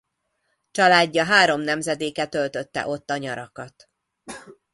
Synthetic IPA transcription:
t͡ʃɒlaːɟːɒɦaːɾo̞mnɛmzɛd̪eːkɛt̪ølt̪øt̪ːɛ̰ʔo̞t̪ːɒɲɒɾɒkɒt̪

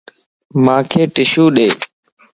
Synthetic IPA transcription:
mãːkʰeːʈɪʃuːɗeː

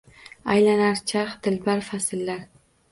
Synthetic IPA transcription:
ajlanaɾt͡ʃʰaχd̪ɪlbaɾfasɪlːaɾ

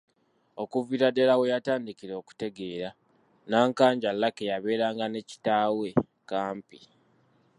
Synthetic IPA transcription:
o̞kuviɾadelawejataːndikiɾo̞ːku̥te̞ɡe̞ːɾa | naːŋkaːɲɟalːakejaβe̞ːɾaːŋɡane̞ci̥taːwe̞ | kaːmpi̥

